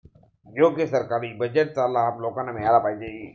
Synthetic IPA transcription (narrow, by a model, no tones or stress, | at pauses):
joːkesəɾkaːɾibəd͡ʒəʈ̚talːaɦɐmloːkãnemẽjaːlapaːid͡ʒei